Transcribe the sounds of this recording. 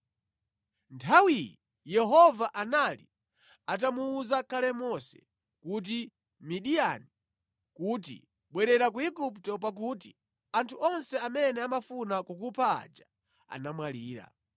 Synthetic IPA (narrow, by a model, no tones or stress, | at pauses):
ntʰawiji | jɛɦɔvaʔanalḭ | at̬amuːzakalɛmɔsɛ̥̰ | kut̬i | miɗiani | kut̬ḭ | ɓwɛɾɛɾakuiɡuptɔp̬ak̬uːt̬i | antʰuɔnsɛamɛnɛamafunakukupʰaa̰d͡ʒa | a̰namwaliːɾa̰